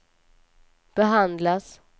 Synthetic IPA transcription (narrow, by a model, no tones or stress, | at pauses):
b̥ɛɦand̪las